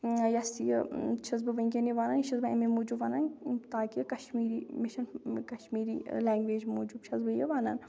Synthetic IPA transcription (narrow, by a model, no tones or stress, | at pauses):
jɐsijə̰t͡ʃʰɐzbɨʋɐŋɡʲeniʋaːnaːniʃɐzbɐɐmimuːd͡ʒuːbʋaːnaːnt̪aːkikɐʃmiːɾiːmiʃɐnkɐʃmiːɾḭːlɛːŋɡʋeːd͡ʒmoːd͡ʒuːbt͡ʃʰɐzbɐjəʋaːna̰ːn